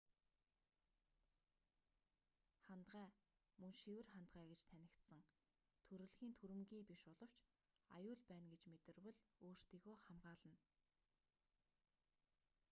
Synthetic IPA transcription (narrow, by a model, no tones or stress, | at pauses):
χant̪ɢæː | mɵŋʃiwɘ̆rχant̪ɢæːɡet͡ɕt̪ʰænʲɪ̆kt̪sə̆ŋ | t̪ʰɵɾɵ̆ɮxiːnt̪ʰuɾɘ̆mɡiːpiʃʊɮɞ̆w̥t͡ɕ | a̰jʊːɮpæːnɡet͡ɕmet̪ɘ̆rwɵ̆ɮoːr̥t̪iːɣoːχamɢaːɮə̆n